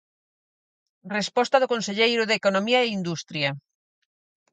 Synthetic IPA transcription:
respɔst̪aðokõnseʎejɾʊðekonomiɐeind̪ust̪ɾjɐ

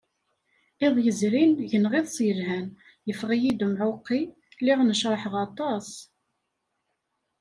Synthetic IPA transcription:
ɪðˤjəzɾinʝənʁiðˤsjəlhæn | jəfʁijid̪umʕʊqːi | lɪʁnəʃɾˤɑħəʁɑt̪ˤɑs

